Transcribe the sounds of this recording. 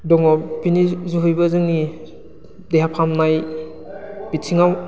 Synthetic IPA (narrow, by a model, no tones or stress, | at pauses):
dɔŋɔpinizuɦujbazɯŋni | deɦapʰamnaj | b̥itsʰiŋaw